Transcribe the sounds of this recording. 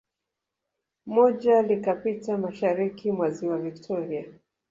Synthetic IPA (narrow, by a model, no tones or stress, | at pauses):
mɔʄalikapitamaʃaɾikimwaziwaviktʰɔɾia